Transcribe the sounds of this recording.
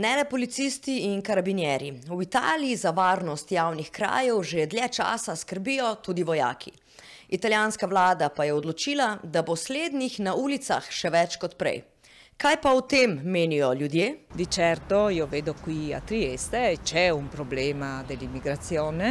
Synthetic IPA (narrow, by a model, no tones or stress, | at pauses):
nɛlɛpɔlit̪sist̪iinkaɾabinjɛɾiwit̪a̰ːliizaʋaːɾnɔst̪jawnixkɾa̰ːjɛwʒeɛd̪ljɛt͡ʃa̰ːsaskəɾbijɔt̪ud̪iʋɔja̰ːkʰi | it̪aljaːnskawlaːd̪apajɛɔd̪lɔt͡ʃiːlad̪abɔsleːd̪nixnauːlit̪sa̰xʃɛʋɛt͡ʃkɔt̪pɾɛ̰j | kajpaut̪emːeːnijɔljud̪jeːd̪it͡ʃɛɾt̪ɔjɔveːd̪ɔkwia̰t̪ɾijest̪ɛt͡ʃɛunpɾɔblemad̪ɛlimːiɡɾat̪sjoːnɛ